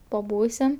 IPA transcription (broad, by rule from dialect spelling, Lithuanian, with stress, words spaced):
pɐˈbuːsʲɪm